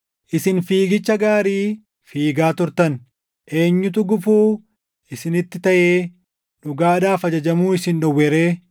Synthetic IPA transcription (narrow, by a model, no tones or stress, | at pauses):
ʔɪsɪnfiːɡɪt͡ʃːɐɡaːɾiː | fiːɡaːt̪ʊɾt̪ɐn | ʔe̞ːɲːʊt̪̬ʊɡʊfuː | ɪsɪnɪt̪ːɪt̪ɐʔeː | ᶑʊɡaːd̪aːfɐd͡ʒɐd͡ʒɐmuːɪsɪnɗʊwːɛɾeː